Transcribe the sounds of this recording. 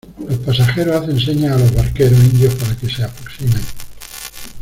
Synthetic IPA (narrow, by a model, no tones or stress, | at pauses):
lohpasaxeɾoaθens̬eɲaːlo̞zβaɾkeɾosind̪johpaɾake̞seapɾoksimen